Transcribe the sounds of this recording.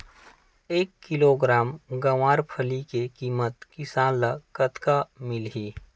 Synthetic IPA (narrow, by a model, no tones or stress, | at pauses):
eːkːɪloːɡɾaːmɡɐwaːɾpʰəlikekiːmət̪kɪsaːləkət̪kamɪlɦiː